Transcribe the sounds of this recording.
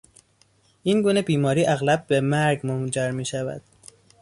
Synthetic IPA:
ʔiːnɡuːnebiːmɒːɾiːʔæɣlæb̚ːemæɾɡmomd͡ʒæɾmiːʃævæ̰d̪̥

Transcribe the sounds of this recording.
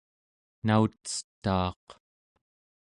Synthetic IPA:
nautt͡sə̥t̪ːɑːq

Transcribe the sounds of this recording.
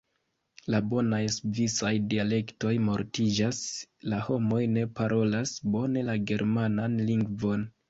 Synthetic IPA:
labo̞najsvisajdiale̞kto̞jmo̞ɾtid͡ʒaslaho̞mo̞jne̞paɾʔo̞lasbo̞ne̞laɡe̞ɾʔmananliŋɡvo̞n

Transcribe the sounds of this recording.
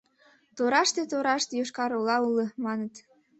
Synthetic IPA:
t̪oɾɑʃt̪et̪oɾɑʃt̪ejoʃkɑɾolɑuləmɑnət̪

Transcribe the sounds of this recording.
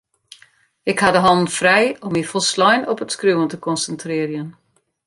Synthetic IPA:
ɪkhadəɦɔnn̩frɛjɔmifɔlˠslɔjnɔpətskruwəntəkɔnsəntrɪːɾjən

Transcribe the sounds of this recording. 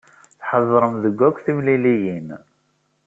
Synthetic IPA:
θħəðˤːɾˤəmðəɡʷːækʷːθimlilijin

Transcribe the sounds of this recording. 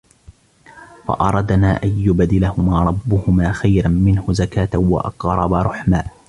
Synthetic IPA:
fa̰ʔɑɾˤɑd̪naːʔanjʊbd̪ɪlahʊmaːɾˤɑbːʊhʊmaːxajɾamɪnhʊzakaːt̪awɑ̰ʔɑ̰qɾˤɑbaɾˤʊħmaː

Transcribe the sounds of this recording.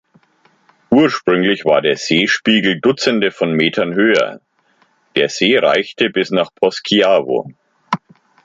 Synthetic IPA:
ʔuːɐʃpʁ̥ʏŋlɪçv̥a̰ːɐdeːɐz̥eːʃpiːɡl̩dʊt͡səndəfɔnmeːtʰɐnhøːɐ̰ | d̥eːɐz̥eːʁa̰ɪçtəbɪsnaːχpʰɔskʰiaːvo̰

